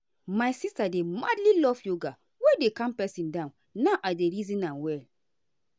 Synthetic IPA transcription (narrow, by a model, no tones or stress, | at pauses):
majsistademadlilɔvjoɡa | wedekãmpɛsĩndãn | naʊʔadeɾizĩnãnwɛl